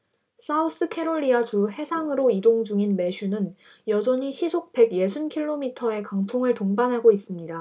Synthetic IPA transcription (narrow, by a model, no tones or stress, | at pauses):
s͈aus͈ɯkʰe̞ɾoɭːiat͡ɕuɦe̞sʰaŋɯɾoidoŋd͡ʑuŋinme̞ɕʰunɯn | jʌd͡ʑʌɲiɕʰisʰok̚p͈e̞ɡje̞sʰunkʰiɭːomitʰʌe̞kaŋtʰoŋɯɭtoŋbanɦaɡois͈ɯmɲida